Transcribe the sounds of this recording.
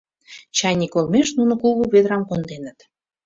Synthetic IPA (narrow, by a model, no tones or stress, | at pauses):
t͡ɕɑjnikolmeʃnunŏkuɣuβed̪ɾɑmkond̪enə̆t̪